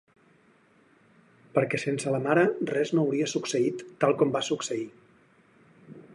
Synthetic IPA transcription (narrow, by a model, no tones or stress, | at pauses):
pəɾkɛsensələmaɾərɛznoːwɾiəsuksəit̪ːalˠkɔmbasuksəi